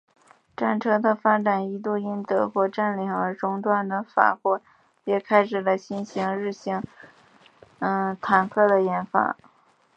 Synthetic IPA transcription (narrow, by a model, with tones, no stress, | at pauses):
ʈ͡ʂa˥˩nʈ͡ʂʰɤ˥d̪ə˧fa˥ʈ͡ʂa˨˩ni˧˥t̪̬u˥˩i˥nt̪ɤ˧˥xwɔ˥˧ʈ͡ʂa˥˩nli˧˩ŋə˞˧˥ʈ͡ʂʊ˥ŋʈ͡ʂ̪wa˥˩nd̪ə˩fa̰˨˩xwɔ˥˩ | jɛ˨˩kʰa˥ɪʂɻ̩˨˩lə˦ɕi˥nɕi˧˥ŋɻɻ̩˥˩ɕi˧˥ŋ | ə˧˩t̪ʰa˨˩nkʰɤ˥˩d̪ə˩jɛ˧˥nfa̰˧˥